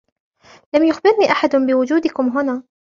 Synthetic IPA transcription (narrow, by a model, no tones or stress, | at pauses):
lamjʊxbɪɾniːʔaħad̪bɪwʊd͡ʒuːd̪ɪkʊmɦʊnaː